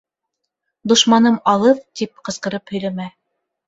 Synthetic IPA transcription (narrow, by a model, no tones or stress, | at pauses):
d̪ŏʃmɑnɤmɑlˠɤðt̪ip̚qɤ̆sqɤ̆ɾɤphɵ̆jlæmæ